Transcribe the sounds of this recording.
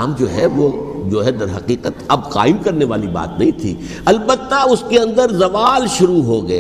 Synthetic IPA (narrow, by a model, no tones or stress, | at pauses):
md͡ʒoːɦɛʋod͡ʒoːɦɛd̪ɐɾɦɐqiːqət̪ɐbqa̰ːɪmkɐɾneʋaːliba̰ːt̪nɐɦĩt̪ʰḭː | ɐlbət̪ːaʊskeɐ̃nd̪əɾzɐʋaːlʃʊɾuɦoɡɐeː